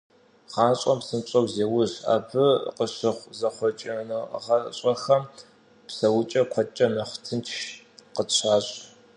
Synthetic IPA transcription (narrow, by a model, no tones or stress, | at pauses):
ʁɑːɕʼɐmpsɨmɕʼɐwzeːwʊɕa̰ːbʰɨqəɕɨχʷzɐχʷɔt͡ʃʼɪnɨʁɐɕʼɐxɐm | psɐwʊt͡ʃʼɐkʷʰɔt͡ʃʼɐmɐχʷtʰɨntʰʃ | qəɕʰaːɕʼ